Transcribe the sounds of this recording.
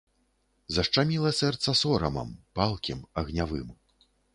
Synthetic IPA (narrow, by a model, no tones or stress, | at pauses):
zɐʂt͡ʂamʲilˠɐsɛrt̪sɐsɔɾɐmɐ̰mpalˠkʲimɐɣnʲavɨ̰m